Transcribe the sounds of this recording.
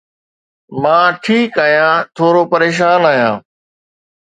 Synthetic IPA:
mãːʈʰiːkaːɦjãːt̪ʰoːɾoːpəɾeːʃ̬aːnaːɦjãː

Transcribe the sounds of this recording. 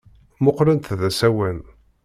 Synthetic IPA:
mʊqːɾənt̪ðæsæwæn

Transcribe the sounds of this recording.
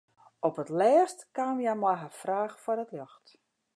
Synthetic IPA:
ɔpətlɛːstkaːmjamɔjɦafraːxfɔrdətlɔxt

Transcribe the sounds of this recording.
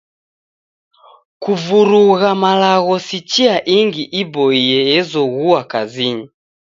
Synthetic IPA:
kuvuɾuɣamalaɣɔsit͡ʃiaʔiŋɡiʔibɔiɛjɛzɔɣuakaziɲi

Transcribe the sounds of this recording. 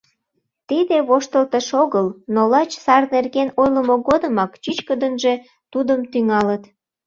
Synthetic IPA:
t̪id̪eβoʃt̪əlt̪əʃoɣəlnolɑt͡ɕsɑrnerɣenojləmoɣod̪əmɑkt͡ɕyt͡ɕkəd̪ənʒe̽ | t̪ud̪əmt̪yŋɑlət̪

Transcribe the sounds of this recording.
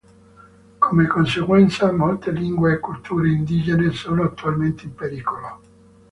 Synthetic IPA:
komekonseɡwɛnt̪samolt̪eliŋɡweːkːult̪uːɾeind̪iːd͡ʒenesoːnoat̪ːualment̪eimpeɾiːkʰolo

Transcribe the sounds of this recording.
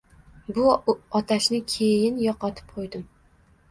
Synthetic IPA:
bʊɒt̪ʰaʃnɪkʲʰejɪnjɒqɒt̪ʰɪ̥p̚qʰojd̪ɪm

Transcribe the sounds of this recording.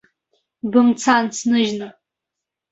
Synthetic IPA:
bɨmt͡sʰant͡sʰnɨʒnɨ

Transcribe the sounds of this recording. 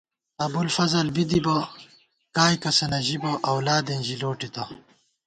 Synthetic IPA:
ɐbulfɐzɐlbid̪ibɐ | kaːjkɐsɐnɐʑibɐʔɐwlaːd̪enʑiloːʈit̪ɐ

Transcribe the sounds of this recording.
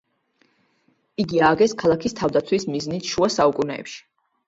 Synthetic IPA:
iɡiaːɡɛskʰalˠakʰist̪ʰavd̪at̪sʰwismiznit̪ʰʃuasaukʼunɛ̰ːpʃi̥

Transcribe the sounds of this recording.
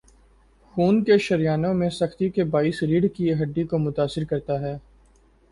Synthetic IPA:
xuːnkeʃɐɾjaːnõmẽsɐxt̪ikebaːiːsɾiːɖkiɦɐɖːikomʊt̪aːsɪɾkɐɾt̪aɦɛː

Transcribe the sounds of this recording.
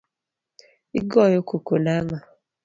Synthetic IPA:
ḭɡɔjokokonaŋa

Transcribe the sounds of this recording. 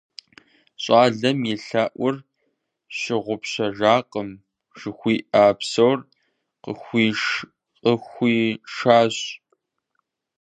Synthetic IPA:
ɕʼaːɮɐmjɪɬaːʔʷʊr | ɕɪʁʷʊpɕɐʒaːqʼəm | ʒ̥ɨxʷiːʔaːpsɐowr | qə̰xʷiːʂ | qʼəxʷiːʂaːɕ

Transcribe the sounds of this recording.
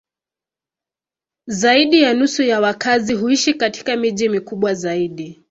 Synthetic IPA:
zaiɗijanusujawakaziɦuiʃikati̥kamiʄimikuɓwazaiɗi

